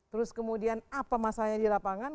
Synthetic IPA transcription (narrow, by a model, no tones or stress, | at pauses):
t̪əɾʊskəmudianapamasaɲadilapaŋan